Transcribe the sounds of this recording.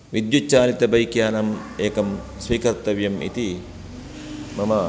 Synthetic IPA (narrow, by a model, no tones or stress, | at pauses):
ʋid̪jut͡ʃːaːlit̪ɐbɐjkjaːnɐm | eːkɐm | sʋiːkɐɾt̪ɐʋjɐmʔḭt̪i | mɐmɐ